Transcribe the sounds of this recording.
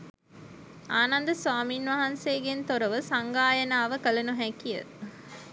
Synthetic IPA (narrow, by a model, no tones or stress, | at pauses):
aːnɐnd̪ɐsʋaːmiːnʋɐɦɐnseːɡent̪oɾɐʋəsaŋɡaːjɐnaːʋəkəlɐnuɦækijə̰